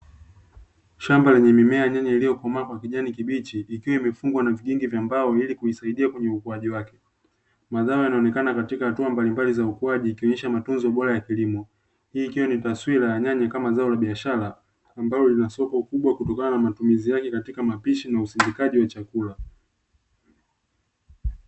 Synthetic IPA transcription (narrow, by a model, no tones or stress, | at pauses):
ʃambalɛɲɛmimɛajaɲaɲailijɔkɔmakwakiʄanikiɓit͡ʃiʔːkiwaimɛfuŋɡwanaviʄiŋɡivjambaɔilikuisaiɗiakwɛɲɛukuaʄiwakɛ | maðaɔjanaɔnɛkanakatikahatuambalimbalizaukuaʄiːkiɔɲɛʃamatunzɔɓɔɾajakilimɔ | hiːkiwanitaswilajaɲaɲakamazaɔlaɓiaʃaɾaː | mbalɔlinasɔkɔkuɓwakutɔkananamatumizijakɛkatikamapiʃinausimbikaʄiwat͡ʃakula